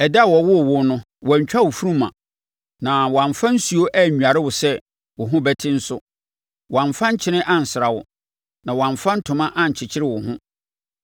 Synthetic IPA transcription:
ɛ˨dwɔ˨wʊ˦˨wʊ˦nʊ̃˦ | wɔ˨ɲ̩˨t͡ɕᶣa˦wʊ˨fu˦ɾũ˦mã̰˨ | nã˨wã˨ɱfã˦n̩˦su˨o˦ʔɛ˦˨ɲᶣu˨a˨ɾɪ˦wʊ˨sɛ˦ | wʊ˨ɦʊ̃˦bɛ˦tʰɪ̃˦n̩˦sʊ˦ | wã˨ɱfã˦ɲ̩˦t͡ɕʰɪ˦nɪ̃˦ʔã˦n̩˨sɪ˨ɾa˨wʊ̰˨ | nã˨wɔ˨ã˨ɱfã˦n̩˦tʰʊ̃˨mã˦ʔã˦˨ɲ̩˨t͡ɕʰɪ˨t͡ɕʰɪ˦ɾɪ˦wʊ˨ɦʊ̃˦

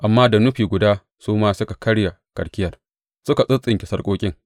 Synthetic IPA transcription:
ʔa˨mːaː˦da˨nʊ˦ɸiː˨ɡʷʊ˨daː˦ | suː˦maː˦sʊ˦ka˨kɐ˦ɽja˨ | kʼɐ˨ɽkʲɪ˦jɐ˨r | sʊ˦ka˨sʼʊ˦t͡sʼːɪ˨ŋkʲɪ˨sɐ˦rkʷʼoː˦kʲʼɪ˦ŋ

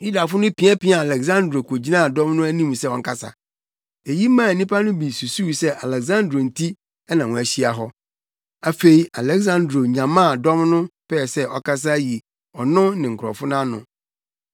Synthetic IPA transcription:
ju˦da˨fʊ˦nʊ̃˦pĩ˨a˦pĩ˦a˨a˨lɛ˨ɡzã˦ndɾo˨kʰo˨d͡ʑi˦nã˦˨dɔ̃˦mnʊ̃˦æ˦nĩ˦m˨sɛ˦˨wɔ̃˨ŋ̩˦kʰa˦˨sa̰˨ | e˨ji˦mãː˦˨nĩ˦pa˦nʊ̃˦bi˨su˨su˦˨sɛ˦ʔa˨lɛ˨ɡzã˦ndɾo˨n̩˨tʰi˦ | ɛ˦nã˨wɔ̃˨æ˨ɕi˦a˨ɦɔ˦ | a˨fe˨i˨a˨lɛ˦ɡsã˦ndɾo˨ɲã˨mã˦˨dɔ˦mnʊ̃˦pɛ˦˨sɛ˦ʔɔ˨ka˦s̬a˦ji˨ | ɔ˨nʊ̃˦nɪ̃˨ŋ̩˨kʰʊ˨ɾɔ̰˨fʊ˦nã˦nʊ̰̃˨

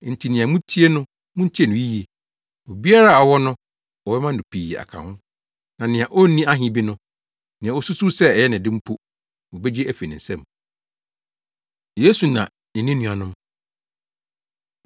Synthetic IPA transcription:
n̩˨tʰi˨nɪ̃˨ã˨mũ˦tʰi˦e˦nʊ̃˦ | mʊ̃˦n̩˦tʰi˦e˨nʊ̃˨ji˦je˨ | o˨bi˦a˦ɾa˦˨ɔ˨wɔ˦nʊ̃˦ | ɔ˨bɛ˦mã˦n̩˨ʊ̃˨pʰi˨a̰˨kʰã̰˨hʊ̃˦ | nã˨nɪ̃˨ã˨ʔo˦n˦nĩ˦a˦ɦɪ̃˨bi˦nʊ̃˦ | nɪ̃˨a˨o˦su˦su˦sɛ˦ɛ˨jɛ˦nɪ̃˨dɪ˦m̩˦pʰu˦ | wo˨be˦d͡ʑe˦æ˦fe˨nɪ̃˨n̩˨sɛ̃˦m | jeː˦su˨nã˨ | nɪ̃˨nɪ̃˦nũ˨a˨nʊ̃˦m

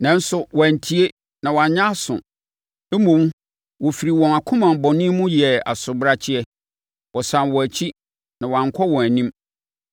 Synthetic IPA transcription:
nã˨n̩˦sʊ˦wɔ̃˨æ˨n̩˨tʰi˦e˦ | nã˨wã˨˦ɲã˦sʊ̰̃˨˦ | mõ˨m | wɔ˨fi˨ɾi˨wɔ̃˨na˨kʰʊ̃˦mã˨mbɔ˨nɪ̃˦mʊ̃˦jɛ˨a̰˨sʊ˨bɾa˦t͡ɕʰɪ˦ɛ˦ | wɔ˨sã˨nwɔ˨æ˨t͡ɕʰi˦ | nã˨wɔ˨ã˨ŋ˨kʰɔ˦wɔ̃˨æ˨nĩ˦m

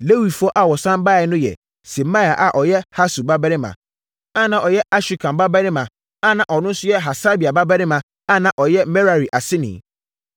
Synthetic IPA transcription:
le˦wi˨fu˦ɔ˦ʔa˨wɔ˨sã˦mba˦˨ɛ˨˦nʊ̃˦jɛ̰˨ | sɛ˨ma˦˨a˨ʔa˨ʔɔ˨jɛ˦ha˦su˨ba˦bɛ˦ɾɪ̃˦mã̰˨ | a˦nã˨ʔɔ˨jɛ˦ʔa˦ɕᶣi˨kʰã˨mba˦bɛ˦nɪ̃˦mã˨ | a˦nã˨ʔɔ˨nʊ̃˦n̩˦sʊ˦jɛ˦ɦa˨sa˦bi˨a˨ba˦bɛ˦nɪ̃˦mã˨ | a˦nã˨ʔɔ˨jɛ˦mɛ˦ɾa˨ɾi˨ʔa˨sɪ˦nɪ̰̃˨

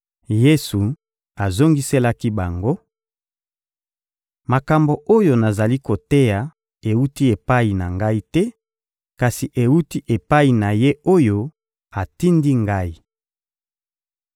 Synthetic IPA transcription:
je˦su˨ | a˨zo˦ŋɡi˦se˦la˦ki˦ba˨ŋɡo˦ | ma˨ka˨mbo˨ʔo˦jo˨na˨za˨li˦ko˨te˦ja˨ | e˨u˦ti˦e˨pa˦i˨na˨ŋɡa˦i˦tɛ˦ | ka˨si˨ʔe˨wu˦ti˦ʔe˨pa˦i˨na˨je˦o˦jo˦ | a˨ti˦ndi˦ŋɡa˦i˦

